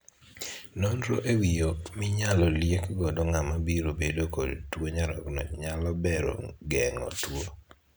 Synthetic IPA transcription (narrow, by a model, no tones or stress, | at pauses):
nonɾo̰ʔewijomɪɲalɔljekɡɔdoŋamabiɾobedokɔdtwoɲaɾɔ̰knɔ̰ɲalɔbɛɾo̰ɡɛŋɔ̰two